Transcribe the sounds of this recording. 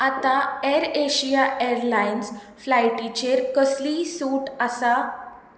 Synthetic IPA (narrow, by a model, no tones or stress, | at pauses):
at̪aeɾeɕiaʔeɾlajns | flajʈit͡ɕeɾkəslisuːʈasa